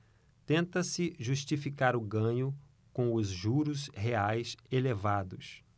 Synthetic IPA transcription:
t̪ẽnt̪ɐsɪʒuʃt͡ʃifikaɾʊɡɐ̃ɲʊ | kõw̃ʊzʒuɾʊsheajselevad̪ʊs

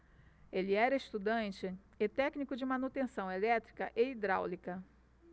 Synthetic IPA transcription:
elɪɛɾɐeʃt̪ud̪ɐ̃nt͡ʃɪ | et̪ɛknikʊd͡ʒɪmanut̪ẽsɐ̃w̃elɛt̪ɾikɐʔeid̪ɾawlikɐ

